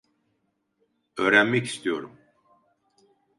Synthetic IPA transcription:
øːɾænmɛci̥st̪ʰijo̞̰ɾum

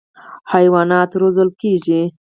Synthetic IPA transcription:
hajwɑnɑt̪ɾozəlkeʒi

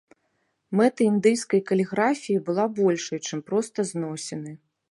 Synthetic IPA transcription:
mɛt̪ɨind̪ɨjskɐjkɐlʲɛɣɾafʲijibɨlˠabɔlʲʂɐjt͡ʂɨmpɾɔst̪ɐznɔsʲɛnɨ

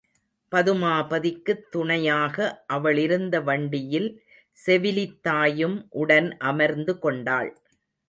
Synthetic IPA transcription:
pɐðɯmaːpɐðɪkːɯt̪ːʊɳɐjaːɣɐʔɐʋɐɭɪɾɯnd̪ɐʋɐɳɖɪjɪl | sɛʋɪlɪt̪ːaːjɯmʔʊɽɐnʔɐmɐɾnd̪ɯkɔɳɖaːɭ

